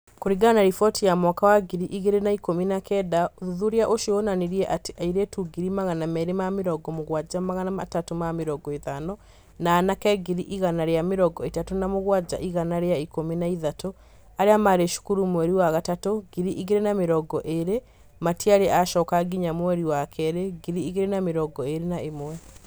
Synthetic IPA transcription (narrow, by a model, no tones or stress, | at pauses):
koɾiɡanaɾifɔtijamwakawaɡiɾiʔiɣeɾenaikominakɛdaoðuðuɾeaʔoʃionaneɾiɛʔate̥ʔaiɾetuɡiɾimaɣanamɛɾemameɾɔɡɔmoɣwad͡ʒamaɣanamatatomameɾɔɡɔeðanɔ | naːnakɛɡiɾiʔiɣanaɾeameɾɔɡɔetatonamoɣwad͡ʑa̰ʔiɣanaɾeaikomenaiðato | aɾeamaɾeʃu̥kuɾumwɛɾiwaɣatatoɡiɾiʔiɣeɾenameɾɔɡɔʔeɾe | matiaɾeʔaʃɔːkaɡiɲamwɛɾiwakʰɛɾeɡiɾiiɣeɾenameɾɔɡɔeɾenaemwɛ